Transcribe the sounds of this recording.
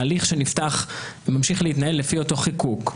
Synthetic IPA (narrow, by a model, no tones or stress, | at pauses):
liχʃeniftaχmamʃiχlehit̪nae̞lːefio̞to̞χikuk